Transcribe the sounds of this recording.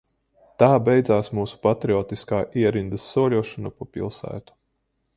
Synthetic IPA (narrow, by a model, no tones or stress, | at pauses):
t̪aːbɛjd̪zaːsmuːsu̥pat̪ɾiɔːt̪iskaːʔiɛɾind̪ɨsːuɔlʲuɔʃɔnapoːpḭlˠsæ̰ːt̪u̥